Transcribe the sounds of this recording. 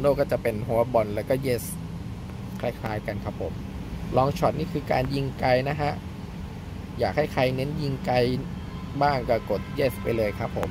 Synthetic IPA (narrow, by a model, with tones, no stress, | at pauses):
noː˥˩kɔː˥˩t͡ɕa˨˩pe˧nɦu˩˦ɐbɔ˧nlɛː˦˥wkɔː˥˩jeː˦˥˩s | kʰa˧˥jkʰlaː˧jka˧nkʰa˦˥pʰːo˨˩˦m | lɔː˧ŋt͡ɕʰɔ˨˩t̪̚niː˥˩kʰɯː˧ka̰ː˧nji˧˩ŋka˧jna˦˥kʰa˦˥ʔ | jaː˨˩k̚ha˥˩jkʰa˧jne˦˥nji˧˩ŋka˧j | baː˥˩ŋkɔː˥˩ko˨˩t̪̚jeː˦˥˩spa˧jlɤː˧jkʰa˦˥pʰːo˩˦m